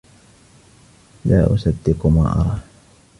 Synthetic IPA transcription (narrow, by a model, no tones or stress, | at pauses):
laːʔʊ̰sad̪ːɪqmaːʔɑ̰ɾˤɑː